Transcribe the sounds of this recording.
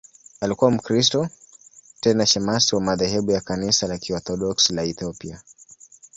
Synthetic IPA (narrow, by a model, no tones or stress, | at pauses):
alikuwam̩kɾistɔ | tɛnaʃɛmasiwamaðɛɦɛɓujakanisalakiɔθɔɗɔkslaɛθiɔpia